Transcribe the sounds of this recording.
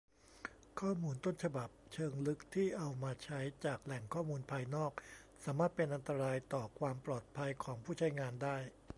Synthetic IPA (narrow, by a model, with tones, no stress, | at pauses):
kʰɔː˥˩muː˧nt̪o˥˩nt͡ɕʰa˧ba˨˩p̚t͡ɕʰɤː˧ŋlɯ˦˥k̚t̪ʰiː˥˩ʔa˧wmaː˧t͡ɕʰa˦˥jt͡ɕaː˨˩k̚lɛ˨˩ŋkʰɔː˥˩muː˧npʰaː˧jnɔː˥˩k̚ | saː˩˦maː˥˩t̪̚pe˧nʔa˧nt̪a˧ɾaː˧jt̪ɔː˨˩kʰwaː˧mplɔː˨˩t̪̚pʰa˧jkʰɔː˩˦ŋpʰuː˥˩t͡ɕʰa˦˥jŋaː˧ndaː˥˩j